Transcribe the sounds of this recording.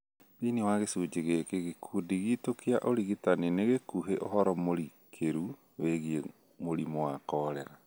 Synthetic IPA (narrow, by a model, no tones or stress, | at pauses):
βiniwaɣesuːd͡ʒeɣekeɣekʰudiɣitokeaʔoɾiɣitaneneɣekuɦeʔohɔɾɔmoɾikʰeɾu | weɣie | moɾimowakɔːɾɛɾa